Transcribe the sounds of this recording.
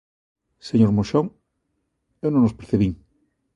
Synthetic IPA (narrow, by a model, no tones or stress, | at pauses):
seɲoɾmoʃoŋ | ewnõŋnospeɾθeβiŋ